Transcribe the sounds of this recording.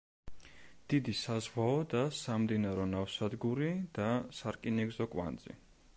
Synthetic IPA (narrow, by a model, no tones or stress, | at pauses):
d̪̥id̪isazʁwaɔd̪asamd̪inaɾɔnafsad̪ɡuɾid̪̥asaɾkʼinɛɡzɔkʼwa̰nd̪zḭ